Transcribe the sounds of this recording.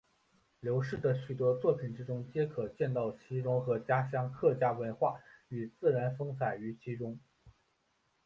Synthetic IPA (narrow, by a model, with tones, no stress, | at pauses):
ljo˧˥ʊʂɻ̩˥˩d̪ə˩ɕy˨˩t̪wɔ˥t͡swɔ˥˩pʰi˨˩nʈ͡ʂɻ̩˥ʈ͡ʂʊ˥ŋt͡ɕjɛ˥kʰɤ˨˩t͡ɕjɛ˥˧nt̪ɑ˥˩ʊt͡ɕʰi˧˥ʈ͡ʂʊ˧˥ŋxɤ˧˥t͡ɕja˥ɕjɑ˥ŋkʰɤ˥˩t͡ɕja˥wə˧˥nxwa˥˩y˨˩t͡sɹ̩˥˩ɻa˧˥nfɤ˥ŋt͡sʰa˨˩ɪy˧˥t͡ɕʰi˧˥ʈ͡ʂʊ˥ŋ